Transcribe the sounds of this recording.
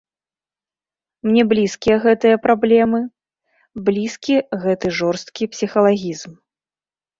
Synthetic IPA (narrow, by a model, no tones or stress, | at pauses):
mnʲɛblʲiskʲijɐɣɛt̪ɨjɐpɾablʲɛmɨ | blʲiskʲiɣɛt̪ɨʐɔrst̪̚kʲipsʲixɐlˠaɣʲizm